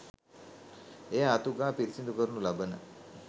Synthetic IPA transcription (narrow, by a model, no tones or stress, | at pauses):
ejaːt̪uɡaːpiɾisind̪ukəɾunulabənə̰